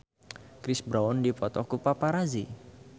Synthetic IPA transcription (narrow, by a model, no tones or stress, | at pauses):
kɾɪsbɾaɔndipɔt̪ɔkupapaɾazi